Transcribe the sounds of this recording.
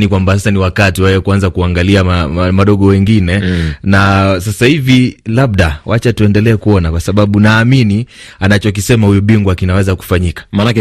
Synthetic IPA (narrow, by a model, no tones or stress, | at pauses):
nikwambasasaniwakatiwɛwɛkuanzakuaŋɡaliaamaɗɔɠɔwɛŋɡinɛnas̬asahivilaɓ̚ɗawat͡ʃatuɛndɛlɛːkuɔnakwasaɓaɓunaːminianat͡ʃɔk̬isɛmahujuɓiŋɡwakinawɛzaku̥faɲikḁmanakɛ